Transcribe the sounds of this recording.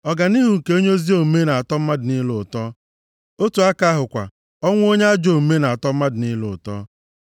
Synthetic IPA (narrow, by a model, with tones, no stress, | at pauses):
ɔ˨ɡa˨ni˦ɦu˨ŋ̩˨ke˦o˦ɲ˦o˦zi˦o˦˨me˦na˨a˨tɔ˦m̩˦ma˦dɪ˨ni˦lʊ˨tɔ˦ | o˦tu˨a˦ka˦ɦʊ˨kʷa̰˨ | ɔ˦ŋʷ˦o˦ɲe˦a˦d͡ʒo˨me˦na˨a˨tɔ˦m̩˦ma˦dɪ˨ni˦lʊ˨ʊ˨tɔ̰˦